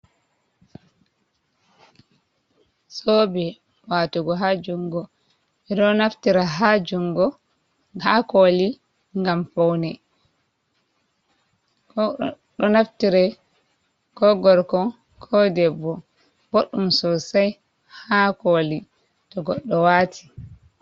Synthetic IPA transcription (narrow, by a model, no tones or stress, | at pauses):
sɔbɛ | watuɡɔɦad͡ʒuŋɡɔ | ɛɗɔnaftiɾaɦad͡ʒuŋɡɔ | hakoli | ŋɡamfɔwnɛ | ɗɔnaftiɾɛ | kɔɡɔɾkɔ | kʰɔdɛbːɔ | boɗːumsɔsaj | hakoli | tɔɡɔɗːɔwaːtʰi̥